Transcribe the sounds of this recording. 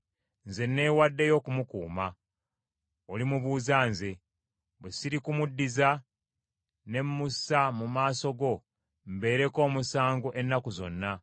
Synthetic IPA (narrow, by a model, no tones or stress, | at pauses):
nze̞nːe̞ːwadːe̞jo̞ːkumukṵːma | olimuβuːzaːnze̞ | βwesiɾikumudːiza | ne̞mːusamumaːso̞ɡo̞ | mbe̞ːɾe̞ko̞ːmusaːŋɡoʔe̞nːakuzo̞̰nːa